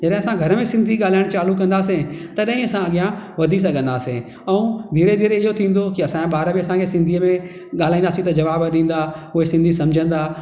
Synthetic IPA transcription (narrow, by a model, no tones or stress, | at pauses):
d͡ʑɐɗɪ̃ɐsãɡʱɐɾəmẽsɪ̃nd̪ʱiɠaːl̤aːɪɽ̃t͡ɕaːlukɐ̃nd̪aːsẽt̪ɐɗ̃ɦɪ̃ɐsãɐɡijãʋɐd̪ʱis̬ɐɡʱə̃nd̪aːsẽ | ɛũd̪ʱiːɾed̪ʱiːɾeɪɦot̪ʰĩːn̆d̪okiɐsãɓaːɾəbiɐsãkʰesɪ̃nd̪ʱiəmẽ | ɠaːl̤aːĩnd̪aːsĩt̪ɐd͡ʑɐʋaːbɗĩːn̆d̪aːʊɦesɪ̃nd̪ʱisɐ̃md͡ʑʱə̃nd̪aː